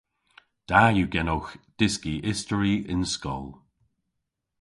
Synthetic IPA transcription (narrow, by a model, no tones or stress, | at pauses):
d̥ajuɡɛnoxd̥ɪskiʔɪstəɹiɪnskɔ̰lˠ